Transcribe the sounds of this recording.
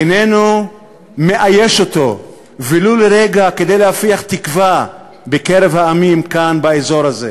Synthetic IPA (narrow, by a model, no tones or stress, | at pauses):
enenu | me̞ʔajeʃo̞t̪o̞ | viluleʁeɡake̞d̪ejlehafiaχt̪ikva | bekeɾevhaːmimkanbaezo̞ɾhaze